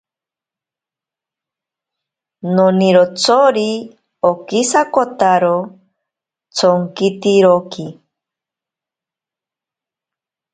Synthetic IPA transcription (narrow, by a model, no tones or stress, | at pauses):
noniɾot͡sʰoɾi | okisakot̪aɾo | t͡sʰoŋkit̪iɾoki